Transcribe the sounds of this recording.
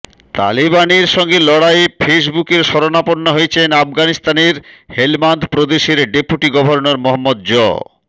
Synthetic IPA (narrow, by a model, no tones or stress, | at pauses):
t̪a̰libaneɾʃɔŋɡelɔɽajfʰes̬bukeɾʃɔɾonaponːoɦoet͡ɕʰenafɡanist̪aneɾhelmand̪pɾod̪eʃeɾɖepuʈiɡɔbʱoɾnoɾmoɦomːod̪̚d͡ʑɔ̰